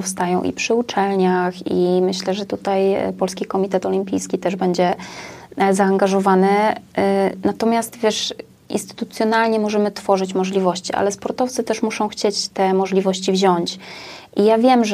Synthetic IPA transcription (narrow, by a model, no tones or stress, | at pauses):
ɔfst̪ajɔ̃w̃ʔḭpʂɘut͡ʂɛlɲaxḭmɘɕlɛʐɛt̪ut̪aj̰pɔlskʲikɔmʲit̪ɛt̪ɔlʲimpʲḭjskʲit̪ɛʐbɛɲd͡ʑɛ | zaːŋɡaʐɔvanɘ | nat̪ɔmʲjast̪vʲjɛʂ | ʔḭnst̪ɘ̥t̪ut̪sʲjɔnalɲɛmɔʐɛmɘt̪fɔʐɘt͡ɕmɔʐlʲivɔɕt͡ɕiʔa̰lɛspɔɾt̪ɔft̪sɘt̪ɛʂmuʂɔ̃w̃xt͡ɕet͡ɕt̪ɛmɔʐlʲivɔɕt͡ɕivʑɔɲt͡ɕʔijavʲjɛmʐ